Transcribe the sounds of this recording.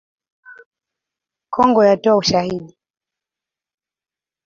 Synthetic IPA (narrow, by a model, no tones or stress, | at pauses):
kʰɔŋɡɔjatɔauʃahiɗi